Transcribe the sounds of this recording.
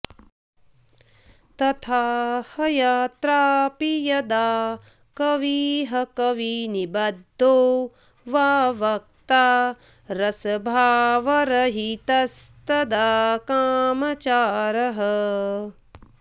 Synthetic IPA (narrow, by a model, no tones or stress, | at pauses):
t̪ɐt̪ʰaːhɐjaːt̪ɾaːpijɐd̪aː | kɐʋiɦɐkɐʋinibɐd̪ʱːoː | ʋaːʋɐk̚t̪aː | ɾɐsɐbʱaːʋɐɾɐɦit̪ɐst̪ɐd̪akaːmɐt͡ʃaːɾɐɦɐ